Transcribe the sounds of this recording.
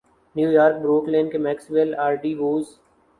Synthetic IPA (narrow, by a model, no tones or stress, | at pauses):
njuːjaːɾk̚bɾoːklẽːnkemɛːksʋɛlaːɾɖiːʋoːz